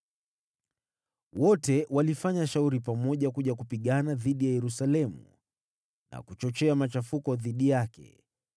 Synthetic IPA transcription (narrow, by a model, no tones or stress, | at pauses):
wɔtɛwalifaɲaʃauɾipamɔʄakuʄakupiɠanaðiɗijajɛɾusalɛmṵ | nʔa̰kut͡ʃɔt͡ʃɛamat͡ʃafukɔðiɗijakɛ̰